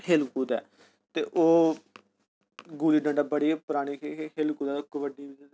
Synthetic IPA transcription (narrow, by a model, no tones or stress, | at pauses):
heːlkuːd̪ɛː | t̪eːʔoː | ɡuːliːɖə̃ɳɖaːbəɽiːpɾaːɽ̃iːkʰekeːlkuːd̪aːʊkːəʋəɖiːi